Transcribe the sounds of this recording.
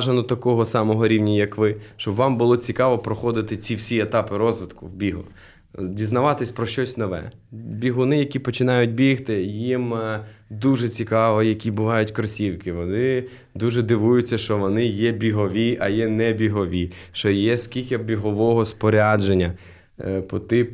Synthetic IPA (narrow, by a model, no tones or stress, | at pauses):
ʒenɔt̪ɐkɔɦɔsɑmɔɦɔɾʲiwnʲɐjɐkʋɪʃt͡ʃɔbʋɑmbʊlˠɔt͡sʲikɑʋɔpɾɔxɔd̪ɪt̪ɪt͡sʲiwsʲiet̪ɑpɪɾɔzʋɪd̪kʊwbʲiɦʊ̰ | dʲiznɐʋɑt̪ɪsʲpɾɔʃt͡ʃɔsʲnɔʋɛ̰ | bʲiɦʊnɪjɐkʲipɔt͡ʃɪnɑjʊt̚ʲbʲixt̪ɪjimd̪uʒɛt͡sʲikɑʋɔjɐkʲibʊʋɑjʊtʲkɾɔsʲiwkɪʋɔnɪ | d̪uʒɛd̪ɪʋujʊt͡sʲːɐʃt͡ʃɔʋɔnɪjɛbʲiɦɔʋʲiʔɐjɛnɛbʲiɦɔʋʲiʃt͡ʃɔjɛskʲilʲkʲɐbʲiɦɔʋɔɦɔspɔɾʲad͡ʒenʲːɐ | pɔt̪ɪ